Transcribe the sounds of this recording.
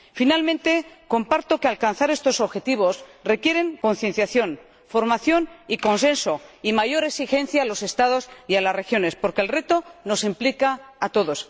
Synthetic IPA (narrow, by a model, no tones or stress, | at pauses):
finalmẽ̞nt̪e̞ko̞mpaɾt̪o̞kealkanθaɾe̞st̪o̞so̞βxe̞t̪iβ̞o̞sre̞kje̞ɾe̞ŋko̞nθje̞nθjaθjo̞n | fo̞ɾmaθjo̞niko̞nse̞nso̞imaʝo̞ɾe̞ksixe̞nθjaːlo̞se̞st̪aðo̞sialasre̞xjo̞ne̞spo̞ɾkelre̞t̪o̞no̞simplikaːt̪o̞ðo̞s